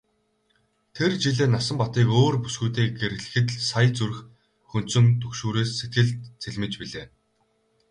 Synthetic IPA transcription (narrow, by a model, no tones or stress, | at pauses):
t̪ʰert͡ɕiɮeːnasə̆mpɔt̪iːkoːrpu̥sɡuːt̪eːɡeɾɘ̆ɮɘ̆xɘ̆t̪ɮsajt͡surx | xɵn̥t̪sɵ̆ŋt̪ʰɵkʃuːɾeːsːet̪ɡɘ̆ɮt̪t͡sʰeɮʲmɘ̆t͡ɕpiɮeː